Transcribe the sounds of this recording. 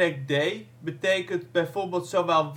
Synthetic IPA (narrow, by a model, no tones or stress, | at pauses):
ɛk̚dej | bətejkəntbɛjvoːɹbeːlˠtsomalˠʋ